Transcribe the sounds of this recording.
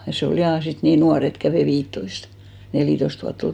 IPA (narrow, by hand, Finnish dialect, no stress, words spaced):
jɑ se ol jɑˑ sit niːn nuɑr et kæʋeˑ ʋiːtːoist neliˑtoist ʋuɑtː ol